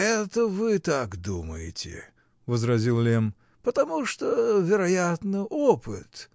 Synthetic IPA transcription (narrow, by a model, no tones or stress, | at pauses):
ɛt̪əvɨt̪akd̪uməjɪ̰tʲɪ̰ | vəzɾɐzʲilˠlʲem | pət̪ɐmuʂt̪ovʲɪɾɐjat̪nɨʔopɨt̪